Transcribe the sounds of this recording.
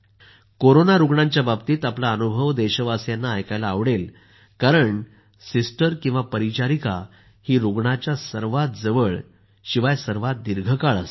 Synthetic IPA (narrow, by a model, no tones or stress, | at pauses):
koɾonaɾuɡɳãɲt͡ɕjababt̪iːt̪aplaənubʱəʋd̪eɕəʋasjanːaːjkajlaːʋɽel | kaɾəɳ | sisʈəɾkĩw̃ʋapəɾit͡ɕaɾika̰ | hiːɾuɡɳat͡ɕjasəɾʋat̪̚d͡zəʋəɭ | ɕiʋajsəɾʋat̪̚d̪iɾɡʱəkaɭas